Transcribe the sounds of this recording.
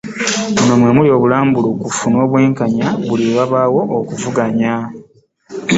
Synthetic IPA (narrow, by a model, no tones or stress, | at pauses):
onomwemulio̞ːβulaːmbulukufuno̞ːβwe̞ːŋkaɲaβuliwaβaːwo̞ʔokuvuɡaɲa